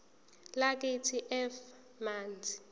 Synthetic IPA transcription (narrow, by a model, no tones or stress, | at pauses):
lak̬ʼetʰiʔɛf | maːnd͡zʱi̥